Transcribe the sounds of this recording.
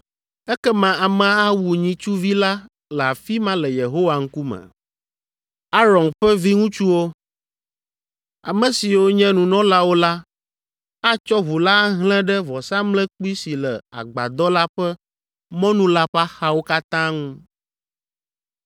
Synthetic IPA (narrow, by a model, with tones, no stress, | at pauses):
ɛ˦kɛ˦mã˨a˨mɛ̃˨a˦wu˨ɲĩ˨t͡ʃu˦vi˦la˦ | lɛ˨a˨fi˦mã˦lɛ˨je˨ɦo˦wa˨ŋ̩̃˦ku˦mɛ̰˨ | a˦ɾɔ̃˨nɸɛ˦vi˦ŋũ˦t͡ʃu˦wo˦ | a̰˨mɛ̃˨si˨wo˦ɲɛ̃˦nũ˨nɔ̃˦la˦wo˦la˦ | a˦t͡ʃɔ˦βu˨la˦ɦlɛ̃˦ɖɛ˦vɔ˨sã˦mlɛ̃˦k͡pu˦i˦si˨lɛ˨a̰˨ɡ͡ba̰˨d̪ɔ˦la˦ɸɛ˦ | mɔ̃˦nũ˦la˦ɸa˦xa˦wo˦ka˦t̪ã˦ŋũ˦